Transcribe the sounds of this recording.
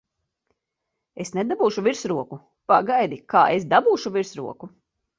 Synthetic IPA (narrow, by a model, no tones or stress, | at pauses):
esned̪abuːʃuviɾsɾuɔku | paɡajd̪ikaːesd̪abuːʃuviɾsɾṵɔku